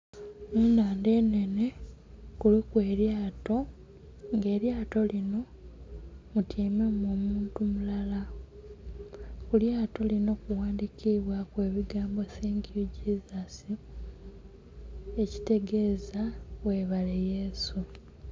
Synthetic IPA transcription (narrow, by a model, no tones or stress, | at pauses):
muːnaːnde̞ːne̞ne̞ | kulukwe̞ːɾjaːto̞ | ŋɡe̞ːɾjaːto̞lino̞ | mutʰiːmemoːmuːntumulala | kuljaːto̞lino̞kuwaːndikiβwakwe̞ːβiɡaːmbo̞siːŋɡuɟizasi | e̞ci̥te̞ɡe̞ːzaweːβale̞jesu